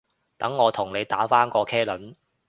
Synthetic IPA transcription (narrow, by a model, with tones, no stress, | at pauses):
t̪ɐ˨˥ŋːɔː˨˧t̪ʰʊ˨˩ŋne˨˧jt̪aː˨˥faː˥nkɔː˧kʰɛː˥lɵ˨˥n